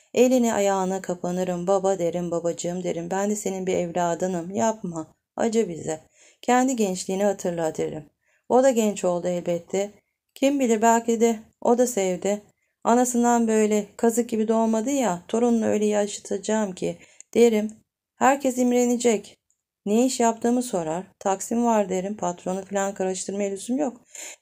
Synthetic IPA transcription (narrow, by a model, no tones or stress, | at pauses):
e̞lʲiniʔa̰jaːɯnakʰapʰanɯɾɯmbabad̪e̞ɾimbabad͡ʒɯɯmd̪e̞ɾimbænd̪ɛse̞ninbiɛvlʲaːd̪ɯnɯmjap̚ma | a̰d͡ʒɯbizɛ | cʰɛnd̪iɟɛnt͡ʃlʲiːnihat̪ʰɯɾlˠat̪ʰɯɾɯ̰m | o̞d̪aɟɛnt͡ʃʰo̞lˠd̪uɛlʲbɛt̪ʰːɛ | cʰimbilʲiɾbælʲcid̪ɛ | o̞d̪asɛvd̪ɪ | anasɯnd̪anbø̞jlʲɛkʰazɯk̚ɟibid̪o̞lˠmad̪ɯjat̪ʰo̞ɾununø̞̰jlʲejiaʃḁt̪ʰad͡ʒaːmcʰid̪̥ijeɾim | hæɾcʰɛs̬imɾe̞nid͡ʒɛc | nejiʃjap̚t̪ʰɯːmɯso̞ɾaɾ̥t̪ʰaksimvaɾd̪ieɾimpʰat̪ɾo̞nufilʲankʰaɾaʃt̪ʰɯɾmalʲyzymjok